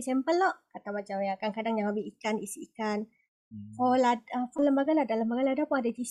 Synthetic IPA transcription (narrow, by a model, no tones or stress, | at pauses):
saəmpəlɔʔkat̪awmãt͡ʃamjaakaŋkadaŋjaŋləbɪhikanisiikan | folaəfɔləmbaɡaladaləmbaɡaladapuŋadad͡ʒis